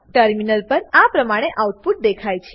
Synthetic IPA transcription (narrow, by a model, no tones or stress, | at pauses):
ʈəɾminəlpəɾapɾəmaɽ̃eʔauʈ̚puʈ̚d̪ekʰajt͡ʃʰe̥